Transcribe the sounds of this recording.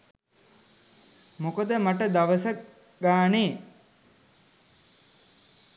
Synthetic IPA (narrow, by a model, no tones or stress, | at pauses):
mokəd̪əmaʈəd̪aʋəsə | ɡaːneː